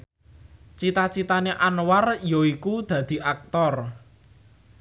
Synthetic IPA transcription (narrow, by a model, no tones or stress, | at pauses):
t͡ʃit̪at͡ʃit̪aneʔanwarjoikud̪̥ä̤d̪̥i̤ʔak̚t̪ɔr